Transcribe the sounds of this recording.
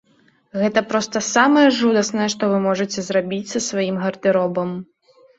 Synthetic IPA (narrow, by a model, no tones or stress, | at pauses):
ɣɛt̪ɐpɾɔst̪ɐsamɐjɛʐud̪ɐsnɐjɛʂt̪ɔvɨmɔʐɨt͡sʲɛzrabʲit͡sʲsɐsvajimɣɐrd̪ɨɾɔbɐm